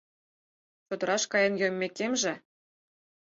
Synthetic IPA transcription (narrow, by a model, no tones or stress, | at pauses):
t͡ɕod̪ɤ̆ɾɑʃkɑjə̆njømʲːekemʒĕ